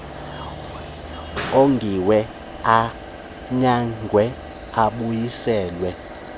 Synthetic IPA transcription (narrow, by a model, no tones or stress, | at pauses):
oŋɡʱiwɛ | a | ɲaŋɡʱwɛ | aɓujisɛːlwɛ